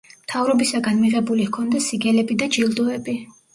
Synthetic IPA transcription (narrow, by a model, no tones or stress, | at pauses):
mt̪ʰavɾɔbisaɡanmiʁɛbulihkʰɔnd̪ɛsiɡɛlɛbid̪ad͡ʒilˠd̪ɔɛbi